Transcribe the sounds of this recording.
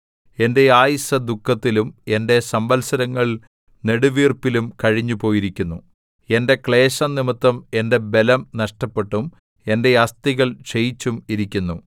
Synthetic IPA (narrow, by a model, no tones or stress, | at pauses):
e̞nde̞aːjisɐd̪ukʰːɐt̪ːilume̞nde̞sɐmbɐlsɐɾɐŋːɐɭ | ne̞ɽuʋiːrpilumkɐɻiɲːupo̞ːjiɾikʲːunːu | e̞nde̞kɭe̞ːɕɐnːimit̪ːɐme̞nde̞be̞lɐmnɐʂʈɐpːe̞ʈːum | e̞nde̞ɐst̪iɣɐɭɕe̞jit͡ɕːumiɾikʲːunːu